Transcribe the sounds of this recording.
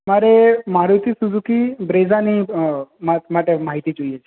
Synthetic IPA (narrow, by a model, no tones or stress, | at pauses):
maɾemaɾut̪ʰisud̪ʱũkibɾezanimamaʈemaɦit̪id͡ʒoijet͡ʃʰe